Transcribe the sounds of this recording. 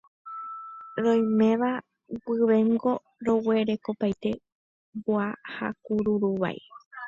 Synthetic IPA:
ɾõ̞jmẽ̞ʋa | wɨʋẽ̞ŋɡo̞ | ɾo̞we̞ɾe̞ko̞pajt̪e̞ | boaha̰kuɾuɾuʋa̰j

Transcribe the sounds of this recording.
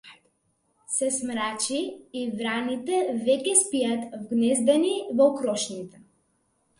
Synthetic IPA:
sɛsmɾat͡ʃiːvɾanit̪ɛvɛkʲɛspiat̪vɡnɛzd̪ɛnivɔkɾɔʃnit̪ɛ

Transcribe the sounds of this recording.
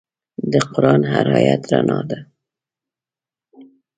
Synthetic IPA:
d̪əqʊɾɑnɦaɾɑjat̪ɾanʔɑd̪a

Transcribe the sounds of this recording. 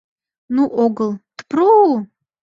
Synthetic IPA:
nuʔoɡəlˠt̪pʰro

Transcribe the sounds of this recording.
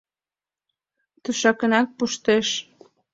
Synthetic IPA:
t̪uʃɑkə̆næk̚puʃt̪eʃ

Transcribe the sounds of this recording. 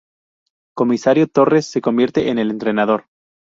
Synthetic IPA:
ko̞misaɾjot̪o̞re̞sːe̞ko̞mbje̞ɾt̪e̞ʔene̞le̞nt̪ɾe̞naðo̞ɾ

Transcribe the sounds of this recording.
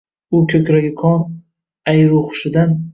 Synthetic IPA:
ʊkʲʰɵkʲɾaɡʲɪkʰɒn | ajɾoχʊʃɪd̪an

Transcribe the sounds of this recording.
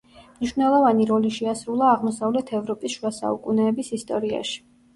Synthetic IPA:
mniʃvnɛlˠɔvaniɾɔliʃɛasɾulˠaːʁmɔsavlɛt̪ʰɛvɾɔpʼisʃwasa̰ukʼunɛːbisist̪ʼɔɾia̰ʃi̥

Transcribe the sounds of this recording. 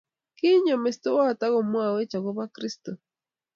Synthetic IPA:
kiɲomest̪owat̪aɣomuawet͡ʃawoβakɾist̪o

